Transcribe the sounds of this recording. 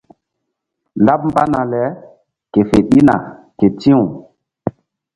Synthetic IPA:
la˦p̚m̩ba˦na˨lɛ˨˦ | ke˨fe˨ɗi˦na̰˨ | ke˨tĩ˦u˨

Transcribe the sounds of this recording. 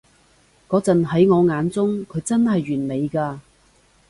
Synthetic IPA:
kɔː˨˥t͡sɐ˨nɦɐ˨˥jŋɔː˨˧ŋaː˨˧nt͡sʊ˥ŋkʰɵ˨˧ɥt͡sɐ˥nhɐ˨jyː˨˩nme˨˧jkaː˧

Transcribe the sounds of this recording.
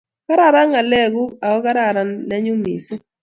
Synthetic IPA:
ka˦ɾa˦ɾa˦ŋa˨lɛ˦˨ɡu˦a˨ɔ˦ka˦ɾa˦˨ɾa˨nlɛ˦ɲʊ˦mḭ˨sɪ˦

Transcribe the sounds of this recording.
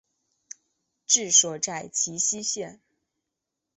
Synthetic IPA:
ʈ͡ʂɻ̩˥˧ʂwɔ˥˧˩ʈ͡ʂa˥˩ɪt͡ɕʰi˧˥ɕi˥ɕjɛ˥˩n

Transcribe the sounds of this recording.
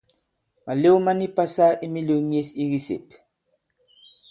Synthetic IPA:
ma˨le˦wma˦ni˦pa˦sa˦i˦mi˦le˨˦mje˦si˦ɣi˦sḛ˨p

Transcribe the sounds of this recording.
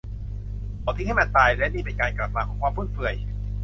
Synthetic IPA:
ʔɔ˨˩t̪ʰi˧˦˥ha˥˩maː˧˩nt̪aː˧jlɛ˦˥niː˧˩pe˧nkaː˧nkla˨˩p̚aː˧kʰɔː˨˦kʰwaː˧mpʰuː˥˩t̪̚fɯ˧˩əj

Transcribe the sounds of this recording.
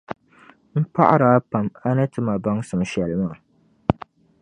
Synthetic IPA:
m̩˦pa˦ʔa˦ɾa˦pa˨ma˦nɨ˦tɨ˦ma˨ba˦ŋsɨ˨mʃɛ˨lmaː˦˨

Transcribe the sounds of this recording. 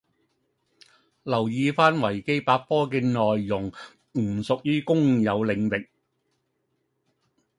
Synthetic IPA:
lɐ˨˩wjiː˧faː˥nwɐ˨˩jke˥jpaː˧k̚pɔː˥kɛː˧nɔː˨jːʊ˨˩ŋ | m̩˨˩sʊ˨k̚jyː˥kʊ˥ŋjɐ˨˧wlɪ˨˧ŋlɪ˨k̚

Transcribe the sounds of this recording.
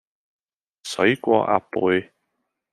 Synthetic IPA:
sɵ˨˥ɥkʷɔ̰ː˧ʔa̰ː˨˧puː˨˥˧j

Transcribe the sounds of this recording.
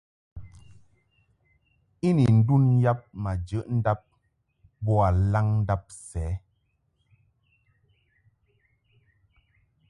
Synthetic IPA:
i˦ni˨n̩˦du˦nja˦p̚ma˨d͡ʒə˨˦ʔn̩˦da˦p̚ | bɔ˦a˨la˦ŋn̩˦da˦p̚sɛː˨˦

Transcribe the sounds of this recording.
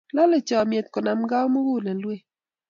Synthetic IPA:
lɔ˦le˨t͡ʃɔ˨mje˨t̪̚kɔ˨na˨mɡa˦wmo˦ɡu˦˨na˨lwe˦

